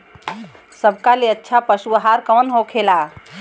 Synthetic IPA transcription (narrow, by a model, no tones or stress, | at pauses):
səbʱkaleətːʃʰapəsuəɦaɾkəwnɦokʰela